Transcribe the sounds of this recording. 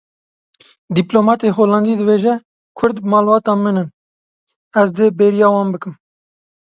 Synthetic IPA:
d̪iploːmɑːt̪eːɦoːlɑnd̪iːd̪ɨbeːʒɛ | kʰʊɾd̪bmɑːlbɑːt̪ɑːmɨnɨn | ɛzd̪eːbeɾijɑːwɑːnbɨkɨm

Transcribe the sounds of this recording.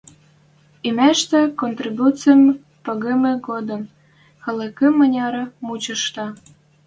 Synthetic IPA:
ymæʃt̪ĕkont̪ribut͡sɨəm | pɤɣemĕɡod̪ə̆m | xɤ̆lĕkə̆mːə̆nʲɑɾɤ̆mut͡ɕə̆ʃt̪ɑ

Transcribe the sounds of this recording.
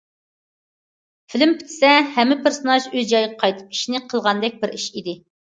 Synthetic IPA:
fɪlɪmpʰɪ̥t̪ʰɪ̥sɛhɛmːɪpʰeɾsonɑʃøzd͡ʒɑjʁɛqʰɑjt̪ʰɨ̥p̚i̥ʃinɪqʰəlˠʁɑnd̪ɛk̚ʲbɪɾiʃid̪ɪ

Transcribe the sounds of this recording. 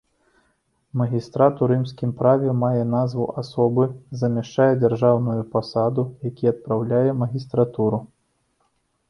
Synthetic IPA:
mɐɣʲist̪ɾat̪uɾɨmsʲkʲimpɾavʲɛmajɛn̪azvṵʔasɔbɨzɐmʲaʂt͡ʂajɛd͡zʲarʐawnujupasad̪ujakʲiɐt̪̚pɾawlʲajɛmɐɣʲist̪ɾat̪uɾu

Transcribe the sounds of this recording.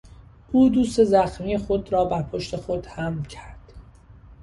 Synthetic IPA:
ʔuːd̪uːst̪e̞zæxmiːjexo̞d̪ɾɒːbæɾpʰo̞ʃt̪ʰe̞xo̞d̪̥hæmcʰæɾd̪̥

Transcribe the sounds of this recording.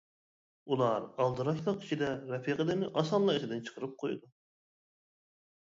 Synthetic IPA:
ulˠɑɾɑlˠd̪ɨɾɑʃlˠɑq̚kʰʲi̥t͡ʃʰid̪ɛɾɛpʰiqʰəd̪ɪnɪʔɑsɑnlˠɑit̪ʰɪd̪ɪnt͡ʃʰə̥qʰəɾɨp̚qʰojud̪u

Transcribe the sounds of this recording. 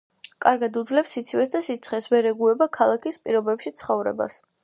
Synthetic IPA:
kʼaɾɡad̪ud̪zlɛpsit̪sʰivɛsd̪asit̪sʰχɛsvɛɾɛɡuɛbakʰalˠakʰispʼiɾɔbɛpʃit̪sʰχɔvɾɛ̰ba̰s

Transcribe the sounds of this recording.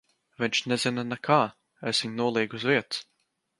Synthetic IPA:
viɲʲt͡ʃnɛzinanakʰaː | ɛsviɲnuɔlˠiːɡuzviɛt̪s

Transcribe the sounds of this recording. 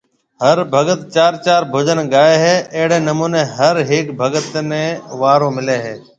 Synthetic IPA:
ɦəɾbʱəɡət̪t͡ʃaːɾt͡ʃaːɾbʱʊːd͡ʒənɡaːeːɦeːʔəɦɽeːnəmuːneːɦəɾɦɪːkbʱəɡət̪nẽːʋaːɾõːmɪleːɦeː

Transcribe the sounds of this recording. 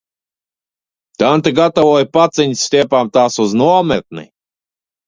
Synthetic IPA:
t̪ant̪eɡat̪avɔːjpat̪sɛɲʲsʲt̪ʲiɛpaːmt̪aːsuznuɔmɛt̪̚nḭ

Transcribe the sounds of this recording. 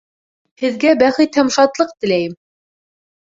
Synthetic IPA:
hɘ̆ðɡæbæχɘt̪hæmʃɑt̪lˠɤq̚t̪ɘ̆læjɘm

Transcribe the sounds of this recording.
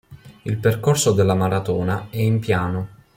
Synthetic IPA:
ilperkorsod̪elːamaɾat̪ɔːnaɛimpjaːno

